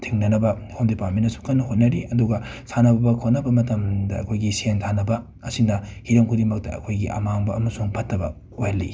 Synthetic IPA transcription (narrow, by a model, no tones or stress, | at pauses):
tʰiŋnɐnɐbɐhomdipatmenɐsu̥kɐnːɐhot̚nɐɾiɐduɡɐsanɐbɐbɐkʰot̚nɐbɐmɐtɐmdɐɐ̰kʰojɡisentʰanɐbɐ | ɐsindɐhiɾɐmkʰuɾimɐk̚tɐ̰ɐ̰kʰojɡiʔɐ̰maŋbɐɐmɐsuŋpʰɐtːɐbɐ̰ | ojɐlːḭ